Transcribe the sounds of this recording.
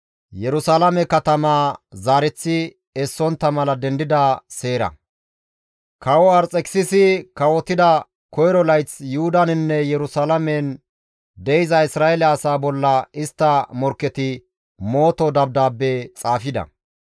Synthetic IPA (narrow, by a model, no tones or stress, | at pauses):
jɛɾʊsalɐmɛkɐt̪ɐmaːzaːɾɛt͡sːɪ | ɛsːɔnt̪ːɐmɐlɐd̪ɛnd̪ɪd̪ase̞ːɾɐ̰ | kɐwɔɐɾt͡sʼɛkɪ̥sɪsɪkɐwɔt̪ːɪd̪ɐ | kɔjɾɔlɐjt͡sjʊhʊd̪ɐnɪnːɛjɛɾʊsaːlɐmɛn | d̪ɛjɪzɐɪsɾaːɛlɛːsaːbɔlːɐɪst̪ːɐmɔɾkːɛt̪ɪ | mo̞ːt̪ɔd̪ɐb̚d̪aːbːet͡sʼaːfɪd̪ɐ̰